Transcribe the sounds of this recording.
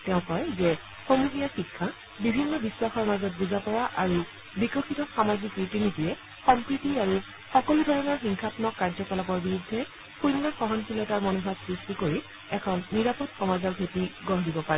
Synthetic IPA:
tɛʊ̃kɔjzɛ | xomuɦijaxikʰːa | bibʱinːɔbiswaxɔɹmazɔt̚buzapɔɹaʔaɹu | bikɔxitɔxamazikɹitinitijɛ | xɔmpɹitiaɹu | xɔkɔludʱɔɹɔnɔɹxiŋxʰapnɔkːaɹzɔkɔlabɔɹbiɹudʱːɛ | puɹnːɔxɔɦɔnkilɔtaɹmɔnubʱatsɹistikoɹi | ɛkʰɔnːiɹapɔtxɔmazɔɹbʱetiɡɔɦdibɔpaɹɛ

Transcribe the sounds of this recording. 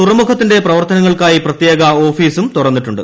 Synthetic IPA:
t̪urɐmukʰɐt̪ːinde̞prɐʋɐrt̪ɐnɐŋːɐɭkaːjiprɐt̪je̞ːɡɐo̞ːfiːsumt̪uɽɐrnːiʈːuɳɖɨ̰

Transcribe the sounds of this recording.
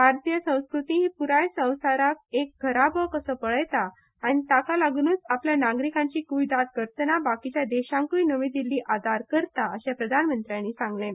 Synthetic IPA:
bʱaɾt̪ijəsə̃w̃skɾut̪iɦiːpuɾajsə̃w̃saɾakek̚ɡʱəɾabəkəsəːpəɭəjt̪aː | ñit̪akalaɡnuːt͡sapljanaɡɾikãɲt͡ɕiːkuʋid̪at̪̚kəɾt̪ənabakit͡ɕjad̪eɕãŋkujnəʋiːd̪ilːiːʔad̪ʱaɾkəɾt̪aəɕepɾəd̪ʱanmənt̪ɾjãnːiːsãŋɡlẽ

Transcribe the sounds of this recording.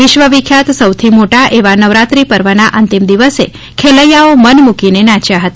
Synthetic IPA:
ʋɪʃʋəʋikʰjat̪səwt̪ʰimoʈaʔeʋanəʋɾat̪ɾipəɾʋənaʔənt̪imd̪iʋəse | kʰeləjaomənmukinenãt͡ʃjaɦət̪a

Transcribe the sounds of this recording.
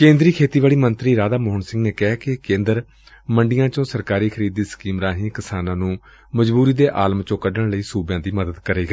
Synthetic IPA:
kẽːnd̪ɾiːkʰeːt̪iːʋaːɭiːmənt̪ɾiːɾaːd̪aːmoːɦɳsɪ̃ŋɡneːkɛːkɪkẽːnd̪əɾ | məɳɖɪjãːt͡ʃõːsəɾkaːɾiːkʰəɾiːd̪iːsə̥kiːmɾaːɦĩːkɪsaːnãːnũː | məd͡ʒbuːɾiːd̪eːʔaːləmt͡ʃõːkəɖəɳləiːsuːbjãːd̪iːməd̪əd̪kəɾeːɡ

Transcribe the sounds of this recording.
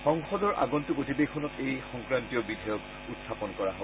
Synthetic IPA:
xɔŋxɔdɔɹʔa̰ɡɔntupotibekʰːɔnɔtejxɔŋkɹantijɔbidʱɔjɔk | utsʰapɔnkɔɹaɦo

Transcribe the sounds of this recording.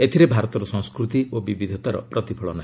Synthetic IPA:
et̪ʰiɾebʱaɾɔt̪ɔɾɔsɔ̃ŋskɾut̪iʔobibid̪ʱɔt̪aɾɔ̰pɾɔt̪ipʰɔɭɔnaɦi

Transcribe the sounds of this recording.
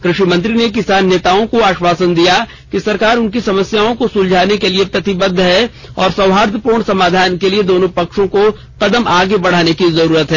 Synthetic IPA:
kɾɪʃimɐ̃nt̪ɾinek̬ɪsaːnːeːt̪aːõkoaːʃwaːsənd̪ija | kisɐɾkaːɾʊnkisɐməsjaːõkosʊld͡ʒʱaːnekeliepɾɐt̪ɪbəd̪ʱːɦɛ | ɔːɾsɐ̃wɦaːɾd̪ʰʱpuːɾɳ̃sɐmaːd̪ʱaːnkelied̪oːnõpɐkʃõko | qɐd̪əmaːɡebɐɽ̤aːnekizɐɾuːɾət̪ɦɛː

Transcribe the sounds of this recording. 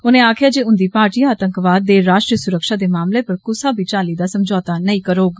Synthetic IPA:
ʊnẽːaːkʰɪjaːd͡ʒeːʊ̃nd̪iːpaːɾʈiːaːt̪ə̃ŋkʋaːd̪ːeːɾaːʃʈɾiːəsʊɾəkʃaːd̪eːmaːmleːpəɾkʊsaːbʱiːt͡ʃaːliːd̪aːsəmd͡ʒɔːt̪aːnəĩkəɾoːɡ

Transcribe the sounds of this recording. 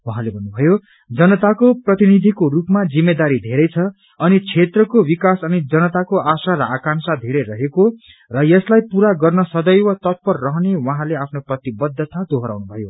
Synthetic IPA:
waɦãlebʱʌnːubʱʌjo | d͡zʌnʌt̪akoprʌt̪inid̪ʱikorupmad͡zimːed̪aɾid̪ʱeɾʌjt͡sʰʌ | ʌnit͡sʰet̪rʌkowikasʌnid͡zʌnʌt̪akoʔasaɾʌakansad̪ʱeɾʌɾʌɦeko | rʌjʌslajpuɾaɡʌrnʌsʌd̪ʌjwʌt̪ʌt̪̚pʌrːʌɦʌnewʌɦãleapʰnoprʌt̪ibʌd̪ʱːʌt̪ad̪ʱoɦʌɾa̰wnubʱʌjo

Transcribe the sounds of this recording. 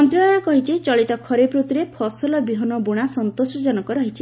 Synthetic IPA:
ɔnt̪ɾɔaɭ̃akɔɦit͡ʃit͡ʃɔɭit̪ɔkʰɔɾepɾot̪iɾepʰɔsɔlɔbiɦɔnɔboɽ̃asɔnt̪osɔd͡ʒɔnɔkɔɾɔɦit͡ʃʰi

